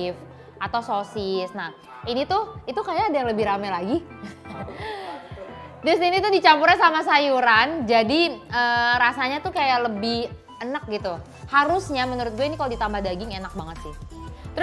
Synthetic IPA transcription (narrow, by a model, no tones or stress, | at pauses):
f | at̪awsosɪsnah | init̪ʊhit̪ukajaːdajaŋləbɪhɾamɛlaɡi | dʊsinit̪ʊdit͡ʃampuɾansamas̬ajuɾand͡ʒadiəːɾasaɲat̪ukajaləbɪh | ənək̚ɡit̪u | haɾʊsɲamənuɾʊt̪̚ɡuainikalodit̪ambahdaɡɪŋenak̚baŋət̪sɪht̪əɾʊ